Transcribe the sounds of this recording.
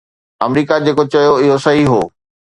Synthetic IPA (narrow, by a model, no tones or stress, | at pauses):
ɐmɾiːkad͡ʑeːkot͡ɕɐjoɪɦosɐɦiɦoː